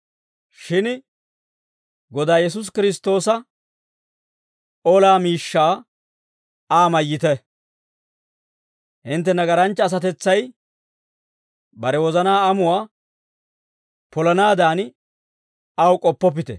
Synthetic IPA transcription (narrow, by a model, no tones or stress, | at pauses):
ʃɪn | ɡɔd̪aːjɛs̬ʊs̬kɪɾɪs̬t̪o̞ːsɐ | oːlaːmiːʃːaː | aːmɐjːɪt̪ɛ | hɪnt̪̬ːɛnɐɡɐɾɐnt͡ʃːɐːs̬ɐt̪ɛt͡sːɐj | bɐɾɛwɔzɐnaːɐmʊwaː | pɔlɐnaːd̪aːn | ɐwkʼɔpːɔp̬ːɪt̪ɛ̰